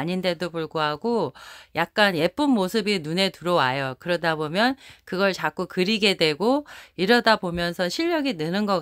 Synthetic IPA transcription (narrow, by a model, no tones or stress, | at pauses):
ɲinde̞dopuɭɡoɦaɡojak̚k͈anje̞p͈umːosʰɯbinune̞tuɾʌwajʌkɯɾʌdabomjʌnkɯɡʌɭt͡ɕak͈ukɯɾiɡe̞dwe̞ɡoiɾʌdabomjʌnsʰʌɕʰiʎːʌɡinɯnɯnɡʌk